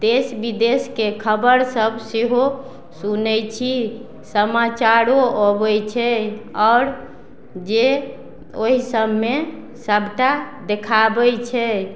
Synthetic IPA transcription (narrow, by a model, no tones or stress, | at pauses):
d̪esbid̪eskekʰəbəɾsəbseɦo | sunəjt͡ʃʰi | səmat͡ʃaɾoobɛjt͡ʃʰɛɔːɾ | d͡ʒe | oɦisəbme | səbʱʈad̪ekʰabɛjt͡ʃʰɛ